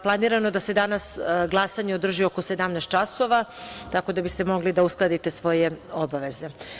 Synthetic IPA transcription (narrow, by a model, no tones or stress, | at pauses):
plˠaniːɾano̞d̪ase̞d̪anasɡlˠasaɲeod̪r̩ʒioko̞se̞d̪amnɛst̪̚t͡ʃaso̞ʋat̪ako̞d̪abist̪e̞mo̞ɡlid̪ausklˠad̪it̪e̞sʋo̞je̞obaʋe̞ze̞